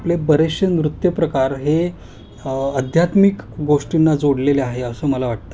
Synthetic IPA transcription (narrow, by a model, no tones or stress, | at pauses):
aplebəɾeɕənʋɾut̪jəpɾəkaɾɦe | əd̪ʱjat̪mikɡoʂʈinːad͡zoɽleleaɦeəsəːməlaʋaʈ̚t̪ə